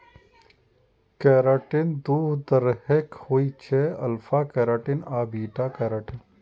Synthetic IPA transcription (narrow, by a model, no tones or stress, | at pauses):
keːɾaːʈind̪uːɦd̪əɾhekhoːit͡ʃʰeɐlfaːkeːɾaːʈinaːbiːʈaːkeːɾaːʈin